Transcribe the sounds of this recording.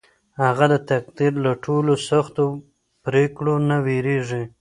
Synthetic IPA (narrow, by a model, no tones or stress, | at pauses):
haɣad̪ət̪ak̚d̪iɾlaʈʰolosaxt̪o | pɾekɽonaweɾeʐi